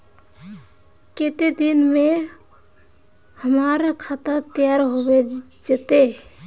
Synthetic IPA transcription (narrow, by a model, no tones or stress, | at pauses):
ket̪ed̪inme | həmaɾkʰat̪ət̪ijaɾɦobe | d͡ʒet̪e